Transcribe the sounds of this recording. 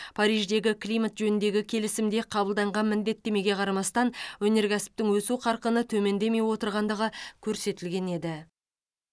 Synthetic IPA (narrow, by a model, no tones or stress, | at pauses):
pʰɑɾijʒd̪e̞ɡʲɪklʲijmat̪ʒɵnɪnd̪e̞ɡʲɪkʲʰe̞lɪsɪmd̪e̞qʰɑbəlˠd̪ɑɴʁɑnmɪnd̪e̞t̪ːe̞me̞ɡʲe̞qʰɑɾɑmɑst̪ɑnwɵne̞ɾkʲæsɪ̥p̚t̪ɪŋwɵsuqʰɑɾqənət̪ʰɵme̞nd̪e̞me̞jwo̞t̪əɾʁɑnd̪əʁəkʲʰɵɾse̞t̪ɪlɡʲe̞ne̞d̪ɪ